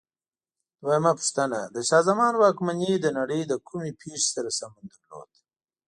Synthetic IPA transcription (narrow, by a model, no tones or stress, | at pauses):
wajmapu̥ʂt̪anad̪əʃaːzamɑːnwɑkmaned̪ənaɽəjd̪əkʰumepʰeːʂi̥saɾasamand̪aɾlo̰ːt̪